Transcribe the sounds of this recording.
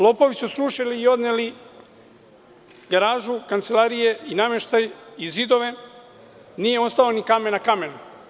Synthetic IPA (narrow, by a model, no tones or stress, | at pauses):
lˠo̞po̞ʋisusɾuʃiliːo̞d̪neli | ɡaɾaːʒukant̪se̞laːɾije̞iname̞ʃt̪ajizid̪o̞ʋe̞ | niːjeo̞st̪aonikame̞nakame̞nu